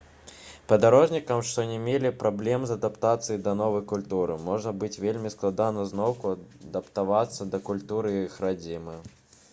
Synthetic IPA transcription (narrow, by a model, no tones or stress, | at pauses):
pɐd̪aɾɔʐnʲikɐmʂt̪ɔnʲɛmʲelʲipɾʔablʲɛmzɐd̪apt̪at̪sɨjid̪ɐnɔvɐjkulʲt̪uɾɨmɔʐnɐbɨt͡sʲvʲelʲmʲisklˠad̪anɐznɔwkuɐd̪ɐpt̪avat̪sːɐd̪ɐkulʲt̪uɾɨxɾad͡zʲimɨ